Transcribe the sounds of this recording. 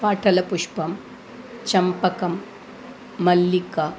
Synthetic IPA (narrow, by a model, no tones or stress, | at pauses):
paːʈʰɐlɐpuʂpɐm | t͡ʃɐmpɐkɐmː | ɐlːikɐ